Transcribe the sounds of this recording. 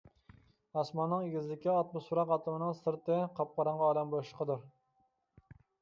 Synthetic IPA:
ɑsmɑnːɨŋiɡʲizɪlɪkʲiɑt̪̚mʊsfɾɑqɑt̪ʰɨmɨnɨŋsɨɾt̪ɨqʰɑp̚qʰɑɾɑɴʁɑːlɛmboʃqʰəd̪uɾ

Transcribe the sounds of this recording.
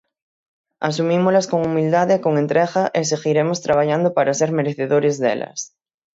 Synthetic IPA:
as̬umĩmolaskoŋumild̪aðekoŋent̪ɾeɣaʔeseɣiɾemost̪ɾaβ̞aʎand̪opaɾaseɾmeɾeθeðoɾezðḛla̰s

